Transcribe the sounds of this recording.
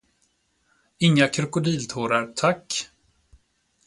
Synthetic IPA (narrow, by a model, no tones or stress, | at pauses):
ɪŋːakʰɾɵkʊd̪iːlt̪ʰuːɾaɾt̪ʰakː